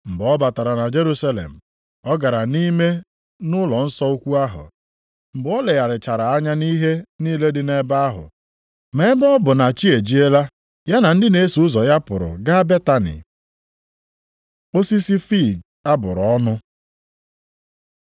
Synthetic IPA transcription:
m̩˨bɔ˦ba˨ta˨ɾa˨na˨d͡ʒe˦ɾu˦sa˦lḛ˨m̩˨ | ɔ˦ɡa˨ɾa˨ni˦me˦ | nʊ˦lɔ˨n̩˦sɔ˦u˦kʷu˦a˦ɦʊ̰˨ | m̩˨bɔ˦le˨ja˨ɾɪ˨t͡ʃa˨ɾa˨a˦ɲa˦ni˦ɦe˦niː˦le˦dɪ˦ne˦ba˦a˦ɦʊ̰˨ | me˦bɔ˦bʊ˨na˨t͡ʃi˦e˨d͡ʒi˦e˦la˦ | ja˦na˨n̩˦dɪ˦ne˦su˨ʊ˦zɔ˨ja˦pʊ˨ɾʊ̰˨ɡa˦be˦ta˦nḭ˨ | o˦si˦si˦fi˦˨ɡ̚ | a˦bʊ˨ɾɔ˦nʊ˦

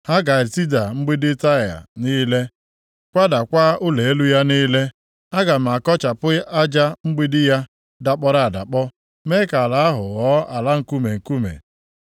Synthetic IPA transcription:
ha˦ɡa˨ti˦da˨ŋ͡m̩˦ɡ͡bi˦dɪ˦ta˦˨ja̰˨niː˦le˦ | kʷa˦da˨kʷa˦ʊ˦le˨e˦lu˦ja˦niː˦le˦ | a˦ɡa˨m̩˨a˨kɔ˦t͡ʃa˨pʊ˦a˦d͡ʒa˦ŋ͡m̩˦ɡ͡bi˦dɪ˦ja˦ | da˨k͡pɔ˦ɾa˦˨a˨da̰˨k͡pɔ˦ | me˦ka˨a˨la˨˦a˦ɦʊ̰˨ɣɔ˦a˨la˦ŋ̩˨ku˦me˨ŋ̩˨ku˦mḛ˨

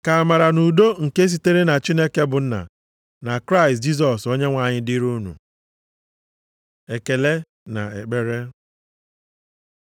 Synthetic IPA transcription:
ka˨a˨ma˨ɾa˨nu˨do˦ŋ̩˨ke˦s̬i˦te˦ɾe˦na˨t͡ʃi˦ne˦ke˦bʊ˨n̩˦na̰˨ | na˨kɾa˦ɪ˨st̚d͡ʒi˦s̬ɔ˨so˦ɲe˦ŋʷa˨ɲɪ˦dɪ˦ɾu˦nṵ˨ | e˨ke˨le˦ | na̰˨e˨k͡pe˨ɾe˦

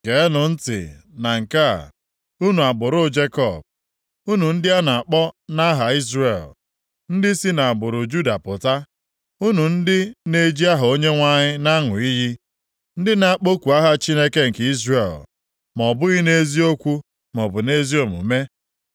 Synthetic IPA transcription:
ke˨˦nʊ˨n̩˦tɪ̰˨na˨ŋ̩˨ka̰˦˨ | u˦nu˨a˨bʊ˨ɾʊ˦˨d͡ʒe˦kɔ˨b̚ | u˦nu˨n̩˦dɪ˦a˦na˨a˨k͡pɔ˦na˦ɦa˨i˦zre˨l | n̩˦dɪ˦si˦na˨bʊ˨ɾʊ˨d͡ʒu˦da˨pʊ˨ta˦ | u˦nu˨n̩˦dɪ˦ne˦d͡ʒi˦a˦ɦo˦ɲe˦ŋʷa˦ɲɪ˦na˦ŋʊ˨i˦ɦɪ˦ | n̩˦dɪ˦na˦a˦k͡po˦kʷu˨a˦ɦa˦t͡ʃi˦ne˦ke˦ŋ̩˨ki˦zre˨l | mɔ˨bʊ˦ɣɪ˦ne˦zi˦o˦kʷu˦ | mɔ˨bʊ˨ne˦zi˦o˨mṵ˨me˦

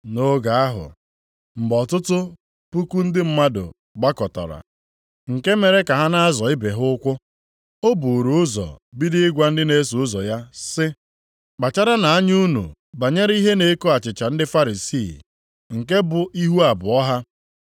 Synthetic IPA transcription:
no˦ɡa˨a˦ɦʊ̰˨ | m̩˨ɡ͡bɔ˨tʊ˦tʊ˦ | pu˦ku˦n̩˦dɪ˦m̩˦ma˦dʊ̰˨ | ɡ͡ba˦kɔ˨tɔ̰˨ɾa̰˨ | ŋ̩˨ke˦me˨ɾe˦ka˨ɦa˦na˦a˦zɔ˨ɪ˦be˨ɦʊ˦kʷʊ˦ | o˦bu˨ɾu˨˦ʊ˦zɔ̰˨bi˦dɪ˦ɪ˦ɡʷa˦n̩˦dɪ˦ne˦su˨ʊ˦zɔ˨ja˦sɪ˦ | k͡pa˨t͡ʃa˦ɾa˦na˨a˦ɲu˦nṵ˨ | ba˨ɲe˦ɾi˦ɦe˦ne˨˦ko˦a˨t͡ʃɪ˨t͡ʃa˨n̩˦dɪ˦fa˦ɾi˨si˦˨ | ŋ̩˨ke˦bʊ˨ʔi˦ɦu˦a˨bʊ˨ɔ˦ɦa˦

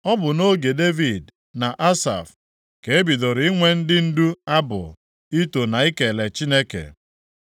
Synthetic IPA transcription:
ɔ˦bʊ˨no˦ɡe˨de˦vi˨d | na˨ʔa˦sa̰˨f | ke˨e˦bi˨do˨ɾi˨˦i˦ŋʷe˦n̩˦dɪ˦n̩˦du˦a˦bʊ̰˨ | i˦to˨na˨i˦ke˨le˨t͡ʃi˦ne˦kḛ˨

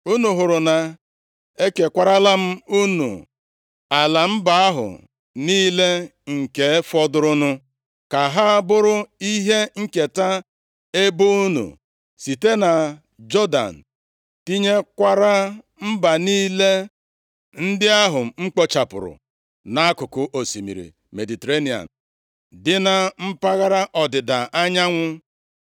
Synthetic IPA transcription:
u˦nu˨ɦʊ˨ɾʊ˨na˨ | e˦ke˨kʷa˦ɾa˦la˦m̩˦u˦nṵ˨ | a˨la˨m̩˦ba˨a˦ɦʊ̰˨ | niː˦le˦ŋ̩˨ke˨˦fɔ˦dʊ˦ɾʊ˦nʊ˦ | ka˨ɦa˦a˦bʊ˦ɾʊ˦i˦ɦe˦ŋ̩˦ke˨ta˦ | e˦bʊ˦u˦nṵ˨ | si˨te˦na˨ | d͡ʒɔ˦da̰˨n̩˨ | ti˦ɲe˦kʷa˦ɾa˦ | m̩˦ba˨niː˦le˦ | n̩˦dɪ˦a˦ɦʊ˨m̩˨ŋ͡m̩˦k͡po˦t͡ʃa˨pʊ̰˨ɾʊ̰˨ | na˨a˦kʊ˨kʊ˨ʔo˨si˨mḭ˨ɾḭ˨ | me˨di˨te˨ɾe˦ni˨a̰˨n̩˨ | dɪ˦na˨m̩˦pa˦ɣa˦ɾa˦ʔɔ˨dɪ˨da˨a˦ɲa˦ŋʷʊ˦

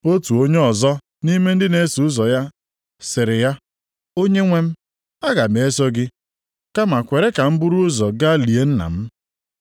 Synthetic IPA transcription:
o˦tu˨o˦ɲe˦ɔ˨zɔ˦ | ni˦me˦n̩˦dɪ˦ne˨˦su˨ʊ˦zɔ˨ja˦ | sɪ˨ɾɪ˨ja˦ | o˦ɲe˦ŋʷe˦m̩˦ | a˦ɣa˨me˨e˦sɔ˦ɡɪ˦ | ka˦ma˨kʷe˨ɾe˦ka˨m̩˦bʊ˦ɾu˦ʊ˦zɔ˨ɡa˦li˨e˦n̩˦na̰˨m̩˦

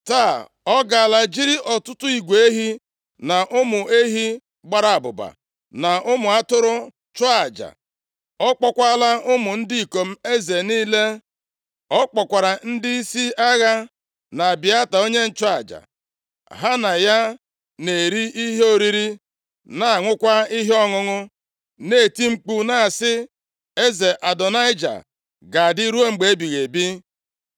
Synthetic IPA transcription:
ta˦˨ | ɔ˦ɡa˨a˨la˨d͡ʒi˦ɾi˦ʔɔ˨tʊ˦tʊ˦i˨ɡʷe˦ɦi˦ | na˨ʔʊ˦mʊ˨e˦ɦi˦ | ɡ͡ba˦ɾa˨a˨bʊ̰˨ba̰˨ | na˨ʔʊ˦mʊ˨a˦tʊ˦ɾʊ˦ | t͡ʃɔ˦a˨d͡ʒa̰˨ | ɔ˦k͡pɔ˦kʷa˦la˦ʊ˦mʊ˨n̩˦dɪ˦i˨ko˨m̩˦e˦ze˨niː˦le˦ | ɔ˦k͡pɔ˨kʷa˨ɾa˨n̩˦dɪ˦i˦si˦a˦ɣa˦ | na˨a˨bɪ˨˦a˦ta˨o˦ɲe˦n̩˦˨t͡ʃɔ˦a̰˨d͡ʒa̰˨ | ɦa˦na˨ja˦ | ne˨ɾi˦ʔi˦ɦe˦o˦˨ɾi˦ɾi˦ | na˨a˨ŋʷʊ˦kʷa˦i˦ɦɔ˦ŋʊ˦ŋʊ˦ | ne˦˨ti˦ŋ͡m̩˦k͡pu˦na˨sɪ˦ | e˦ze˨ʔa˨dɔ˨na˦ɪ˦d͡ʒa̰˨ | ɡa˨dɪ˦ɾu˦o˦ŋ͡m̩˨ɡ͡be˨e˦bi˨ɣe˨bi˦

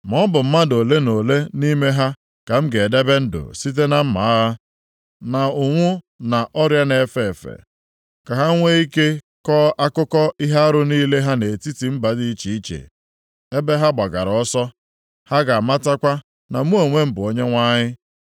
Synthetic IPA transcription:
m˨ɔ˦bʊ˨m̩˦ma˦do˨le˦no˨le˦ni˦me˦ɦa˦ | ka˨m̩˦ɡe˨de˦be˦n̩˦dʊ̰˨si˦t̬e˦na˦m̩˦ma˨˦ɦa˦ | na˨ʊ˨ŋʷʊ˦ | na˨ʔɔ˦ɾja˦ne˨fe˨fḛ˨ | ka˨ɦa˦ŋʷe˦i˦ke˦ | kɔ˦ʔa˦kʊ˦kɔ˦i˦ɦa˦a˦ɾʊ˦niː˦le˦ɦa˦ne˨ti˦ti˨m̩˦ba˨di˦i˦t͡ʃi˨i˦t͡ʃḛ˨ | e˦be˦ɦa˦ɡ͡ba˨ɡa˨ɾɔ˦sɔ˦ | ha˦ɡa˨a˨ma˦ta˦kʷa˦ | na˨m˦o˨ŋʷe˦m̩˦bʊ˨o˦ɲe˦ŋʷa˦ɲɪ˦

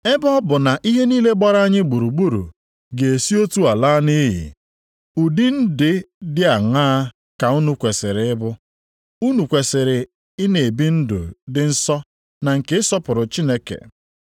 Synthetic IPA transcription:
e˦bɔ˦bʊ˨na˨ʔi˦ɦe˦niː˦le˦ɡ͡ba˦ɾa˦ɲɪ˦ɡ͡bu˨ɾu˨ɡ͡bu˦ɾṵ˨ | ɡe˨e˨si˦o˦tu˦a˨laː˦ni˦ɦḭ˨ | u˨di˦n̩˦dɪ˨ | dɪ˦a˨ŋaː˦ | ka˨u˦nu˦kʷe˨sɪ˨ɾɪ˨ɪ˦bʊ˦ | u˦nu˨kʷe˨sɪ˨ɾɪ˨ | ɪ˦ne˨e˨bi˦n̩˦dʊ̰˨dɪ˨n̩˦sɔ˦ | na˨ŋ̩˨ke˨˦ɪ˦sɔ˦pʊ˨ɾʊ˨t͡ʃi˦ne˦kḛ˨

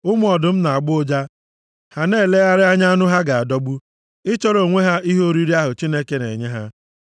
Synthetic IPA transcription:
ʊ˦m˦ɔ˨dʊ˨m̩˦na˨a˨ɡ͡bʊ˦o˦d͡ʒa˦ | ha˨ne˦˨le˦ɣa˦ɾɪ˦a˦ɲa˦a˦nʊ˦ɦa˦ɡa˨a˨dɔ˦ɡ͡bu˦ | ɪ˦t͡ʃɔ˦ɾo˨ŋʷe˦ɦa˦i˦ɦo˦ɾi˦ɾi˦a˦ɦʊ˨t͡ʃi˦ne˦ke˦nḛ˨ɲe˦ɦa˦

